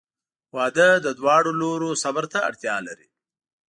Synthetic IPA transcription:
wɑd̪əd̪əd̪wɑːɽoloɾosabaɾt̪a̰ːɽt̪jɑlaɾḭ

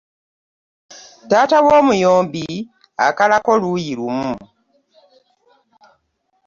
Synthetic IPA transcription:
daːtawoːmujoːmbi | akalako̞lujilumu

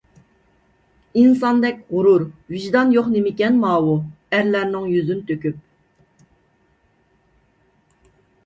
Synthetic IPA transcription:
insɑnd̪ɛk̚ʲʁʊɾuɾviʒd̪ɑnjoχnemɪkʲɛnmɑːwu | æɾlæɾnɪŋjyzynt̪ʰøkʲyp̚

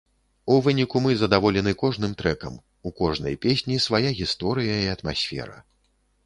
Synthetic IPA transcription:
uvɨnʲikumɨzɐd̪avɔlʲɛnɨkɔʐn̪ɨmt̪ɾɛkɐ̰m | ukɔʐnɐ̰jpʲesʲnʲisvajaɣʲist̪ɔɾɨjɐiɐt̪ma̰sʲfʲɛ̰ɾɐ̰

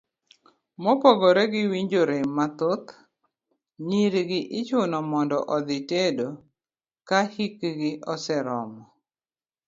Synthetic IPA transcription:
mɔpoɡoɾɛɡɪwiɲd͡ʒoɾemːat̪ot̪ | ɲiɾɡɪʔɪt͡ʃʊnɔmɔndɔʔɔd̪ɪtedo | kahikɡɪʔɔsɛɾɔ̰mɔ

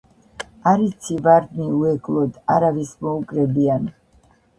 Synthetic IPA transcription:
aɾit̪sʰivaɾd̪niuɛɡlˠɔd̪aɾavismɔukʼɾɛbian

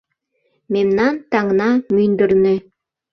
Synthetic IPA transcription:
memnɑnt̪ɑŋnɑmynd̪ɘ̆ɾne

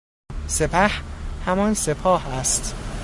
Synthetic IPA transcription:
se̞pʰæhhæmɒnse̞pʰɒːhæst̪

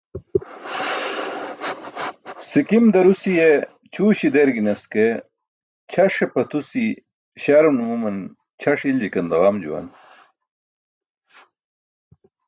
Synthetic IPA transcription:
sikimd̪ɐɾusije | t͡ɕʰuːɕid̪eɾɡinɐske | t͡ɕʰɐʂepɐt̪usi | ɕaɾunumumɐn | t͡ɕʰɐʂild͡ʑikɐnd̪ɐʁamd͡ʑṵwɐ̰n

